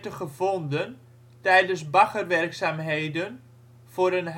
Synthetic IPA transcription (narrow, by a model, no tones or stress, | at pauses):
təχəvɔndən | tɛjdənsbaχərʋɛrksaːmɦejdən | v̥ʊːɾənɦ